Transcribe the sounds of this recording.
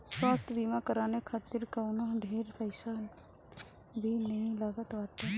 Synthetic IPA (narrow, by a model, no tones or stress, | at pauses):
swaːst̪ʰbʱimakəɾaːnekʰaːt̪ɪɾkəʊnəɦɖʱeːɾpəɪsa | bʱinəɦĩlaːɡət̪ʋaːt̪a